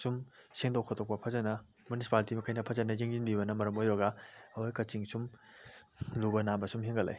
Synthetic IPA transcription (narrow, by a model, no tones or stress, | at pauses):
sumseŋdowkʰɐtʰok̚pɐpʰɐzɐnɐ | munisi̥paltimɐkʰɐjnɐpʰɐzɐnɐjeŋzinbiβɐnɐmɐɾɐmojbɐɡɐɐwojkɐt͡ʃiŋsum | lubɐnambɐsumɦiŋɡɐla̰j